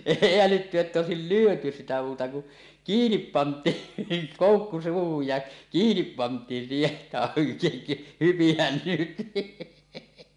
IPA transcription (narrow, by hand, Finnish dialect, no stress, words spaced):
eˑi ælytːy etːæ oˑesil lyøty sitæ muːtɑ ku kiːnip pɑntˑiːn niːŋ koˑukːu suːhuj jɑ kiːnip pɑntˑiːn siːheʔ ʔetːæ hypihæn nyt